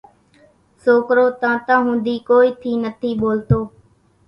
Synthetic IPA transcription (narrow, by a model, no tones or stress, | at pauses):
soːkɾoːt̪ãːt̪ãːɦũːnd̪iːkoːiːt̪ʰiːnət̪ʰiːɓoːlt̪oː